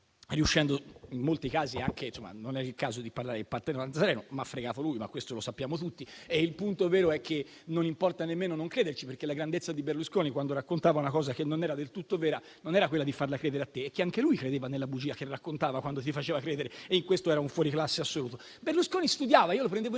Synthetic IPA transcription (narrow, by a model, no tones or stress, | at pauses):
riuʃːɛnd̪oimːolt̪ikaːziaŋkʰesomːa̰nonɛilkaːzod̪iparlaːɾepart̪enanasɾɛːnomaafːɾeɡaːt̪olujma̰kwest̪olosapːjaːmot̪ut̪ːieilpunt̪ovɛːɾoɛkːe | nonimpɔrt̪anemːeːnonoŋkɾeːd̪ert͡ʃiperkelaɡɾand̪et̪sːad̪iberluskoːnikwand̪oɾakːont̪aːvaunakɔːzak̟enːonɛːɾad̪elt̪ut̪ːovɛːɾa | nonɛːɾakwelːad̪ifarlakɾɛːd̪eɾeat̪ːeːkːeaŋkelujkɾed̪eːvanelːabud͡ʒiːak̟erːakːont̪aːvakwand̪ot̪̬ifat͡ʃeːvakɾeːd̪eɾeeiŋkwest̪oɛːɾauɱfwɔːɾiklasːeasːoluːt̪o | berluskoːnist̪ud̪jaːvaiolopɾend̪evo